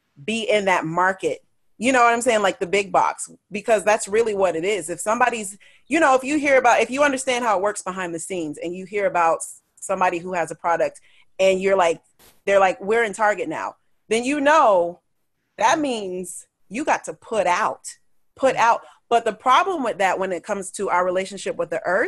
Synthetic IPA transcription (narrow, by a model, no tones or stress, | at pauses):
b̥iʔɪ̃nðɨt̚mɑɹkɨt̚ | jɨnoʊwʌɾãɪ̃mseɪɪ̃ŋlaɪk̚ðɨbɪɡ̚bɑ̰ks | b̥ɨkʰʌzðætsɹɪlˠiwʌɾɨɾɪzɨfsʌ̃mbɑɾiz | jɨñoʊəfjɨɦiɹɨbaʊɾɨfjɨʌ̃ndə˞stæ̃nd̚ɦaʊət̚wɜ˞ksb̥əɦãɪ̃nðɨsĩnzɨ̃njɨɦiɹɨbaʊt | sʌ̃mbɑɾiɦuɨzəpʰɹ̥ɑɾɨk̚t | ɨ̃njə˞laɪk̚ | ðə˞laɪkwɪɹɨ̃ntʰɑɹɡɨtⁿna̰ʊ | ðɨ̃njɨnoʊ | ðɨt̚mĩnz̥ | jɨɡɑtʰəpʰʊɾaʊt̚ | pʰʊɾaʊt̚ | b̥ʌt̪̚ðɨpʰɹ̥ɑblə̃mwɨðɨʔ̚wə̃nɨt̚kʰʌ̃mz̥tʰɨʔaʊə˞ɹileɪʃɨ̃n̩ʃɪpwəðiʔɜ˞